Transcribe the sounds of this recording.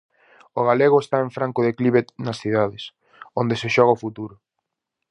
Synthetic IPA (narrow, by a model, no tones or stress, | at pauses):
ʊɣaleɣʊest̪aẽɱfɾaŋkʊðekliβet̪nɐsθiðaðɪs | ond̪eseʃɔɣɐʊfut̪uɾʊ